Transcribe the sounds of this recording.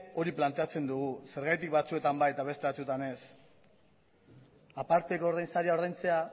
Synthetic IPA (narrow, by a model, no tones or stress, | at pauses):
o̞ɾiplant̪e̞at͡se̞nd̪uɣ̞use̞ɾɣ̞ajt̪̬ik̚bat͡sue̞t̪ambajt̪aβe̞st̪e̞βat͡suet̪ane̞s | apaɾt̪ekoːɾðajnsaɾiaoɾð̞ejnt͡se̞a